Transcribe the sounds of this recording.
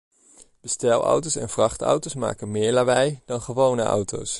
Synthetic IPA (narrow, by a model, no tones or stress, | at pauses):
b̥əstɛlˠʔɑ̰wtowsɛnvrɑχtɑ̰wtosma̰ːkənmɪːɹlaːbɛjd̥ɑnχəʋownəʔɑ̰wto̰ws